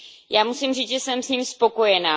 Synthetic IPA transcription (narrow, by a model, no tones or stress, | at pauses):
jaːmusimriːt͡sʒɛsɛmsɲimspo̞ko̞jɛnaː